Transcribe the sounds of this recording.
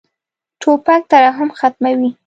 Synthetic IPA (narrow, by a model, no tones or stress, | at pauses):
ʈʰopak̚t̪aɾaɦamxat̪mawi